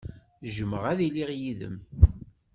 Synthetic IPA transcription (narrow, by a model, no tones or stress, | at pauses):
ʒəməʁæðiliʁjiðə̰m